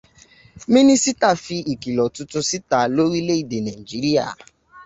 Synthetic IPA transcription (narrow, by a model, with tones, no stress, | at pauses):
mĩ˦nĩ˦si˦ta˦˨fi˧i˨ki˨lɔ˨tʊ˦tʊ˦si˦ta˨lo˦ɾi˦le˦i˨de˨na˨i˨d͡ʒi˦ɾi˦a̰˨